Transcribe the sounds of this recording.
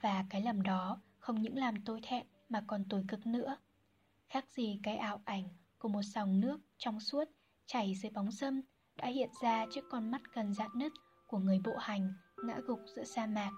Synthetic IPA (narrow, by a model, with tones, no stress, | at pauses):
vaː˨˩kaː˨˦jlə˨˩mɗɔ˨˦ | xə˧wŋ͡mɲɨ̰˧˥ŋlaː˨˩mt̪o˧jt̪ʰɛ̰˧˨n | maː˨˩kɔ˨˩nt̪o˨˦jkɨ˨˩k̚nɨ̰˧˥ə | xaː˦˥k̚z̥i˨˩kaː˨˦jʔaː˧˨wʔa˧˩jŋ̟ku˧˩əmo˨˩t̚sɔ˨˩wŋ͡mnɨ˦˥ək̚t͡ɕɔ˧wŋ͡msu˦˥ət̚ | t͡ɕa˧˩jzɨ˨˦jɓa˨˦wŋ͡msə˧m | ɗa̰ː˧˥hḭ˧˨ənzaː˧t͡ɕɨ˦˥əkːɔ˧nma˦˥t̚kə˨˩nza̰ː˧˨nnə˦˥t̚ | ku˧˩əŋɨ˨˩əjɓo̰˧˨ha˨˩jŋ̟ŋa̰ː˧˥ɣʊ˨˩k͡p̚z̥ɨ̰˧˥əsaː˧maː˨˩k̚